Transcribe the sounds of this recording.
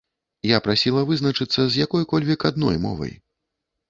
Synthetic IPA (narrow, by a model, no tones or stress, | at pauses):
japɾasʲilˠɐvɨzn̪ɐt͡ʂɨt̪sːɐzʲjakɔjkɔlʲvʲikad̪nɔ̰jmɔ̰vɐ̰j